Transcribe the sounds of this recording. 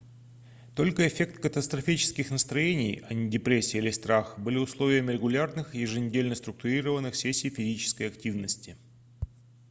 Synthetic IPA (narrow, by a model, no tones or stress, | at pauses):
t̪o̞lʲkəɪfʲe̞kt̪kət̪əst̪ɾɐfʲit͡ɕɪ̥skʲɪxnəst̪ɾɐjenʲɪjɐnʲɪdʲɪpɾʲesʲɪːilʲɪst̪ɾaxbɨlʲɪʊslˠo̞vʲɪjəmʲɪɾʲɪɡʊlʲarnɨxjɪʐɨnʲɪdʲelʲnəst̪ɾʊk̚t̪ʊɾʲiɾəvənːɨxsʲesʲːijfʲɪzʲit͡ɕɪ̥skəjɐktʲivnəsʲtʲɪ